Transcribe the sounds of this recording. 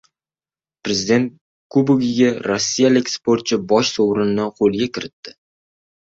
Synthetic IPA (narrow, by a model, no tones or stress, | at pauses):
pɾezɪd̪e̞nt̪̚ | kubʊɡʲɪɡʲaɾosʲːijalɪkʲspoɾt̪̚t͡ʃʰɪbɒʃsowɾɪnd̪anqʰolˠɡʲakʲʰɪɾɪt̪ːɪ̥